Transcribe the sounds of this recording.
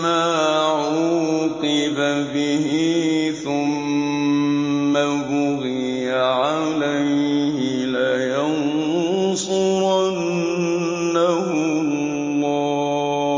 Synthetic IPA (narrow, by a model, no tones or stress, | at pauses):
maːʕuqɨbabɪɦiθʊm | a | bʊɣi | jaʕa | lajhɪ | lajan | sˤʊanː | ahʊ | ɑː